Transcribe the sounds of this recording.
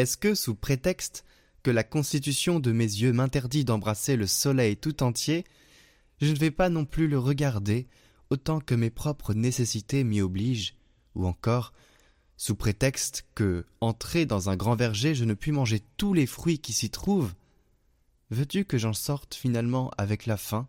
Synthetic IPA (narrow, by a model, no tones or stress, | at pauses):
ɛskəsupχet̪ɛkst̪ | kəlakɔ̃st̪it̪̬ysjɔ̃d̪əmezjømɛ̃t̪ɛʁd̪id̪ɑ̃bʁaseləsɔlɛjt̪ut̪ɑ̃t̪je | ʒənəvɛpanɔ̃plyləʁəɡaʁd̪e | ot̪ɑ̃kəmepχɔpχənesesit̪emiɔbliʒ | uɑ̃kɔʁ | supχet̪ɛkst̪kəɑ̃t̪χed̪ɑ̃zɛ̃ɡʁɑ̃vɛʁʒeʒənəpɥimɑ̃ʒet̪ulefχɥikʲisit̪χuv | vøt̪ykəʒɑ̃sɔʁt̪finalmɑ̃ʔa̰vɛklafɛ̃